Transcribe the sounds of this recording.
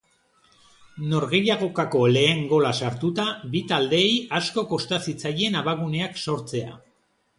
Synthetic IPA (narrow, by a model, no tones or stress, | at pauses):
no̞ɾɣe̞ʎaɣ̞o̞kako̞le̞ːŋɡo̞lasaɾt̪ut̪aβit̪ald̪e̞ːjasko̞ko̞st̪asit͡saje̞naβaɣune̞akso̞ɾt͡se̞a̰